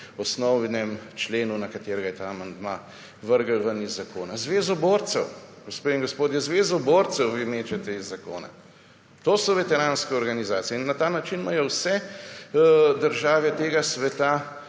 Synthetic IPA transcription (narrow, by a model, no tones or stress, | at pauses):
ɔsnɔwnɛmt͡ʃleːnunakat̪eːɾɛɡajɛt̪aːmand̪ma̰ | ʋəɾɡəlʋənizːakoːnazʋeːzɔboːɾt̪sɛwɡ̥ospeiŋɡospoːd̪jɛzʋeːzɔboːɾt̪sɛwʋimeːt͡ʃɛt̪ɛizːako̰ːna̰ | t̪oːsɔʋɛt̪ɛɾaːnskɛɔɾɡanizaːt̪sijɛinːat̪aːnat͡ʃinmajɔwsɛ | d̪əɾʒaːʋɛt̪eːɡasʋɛt̪a